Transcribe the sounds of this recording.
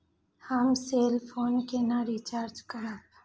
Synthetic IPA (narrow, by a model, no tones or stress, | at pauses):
həmseːlfʰoːnkenaɾiːt͡ʃaːɾd͡ʒkɐɾãː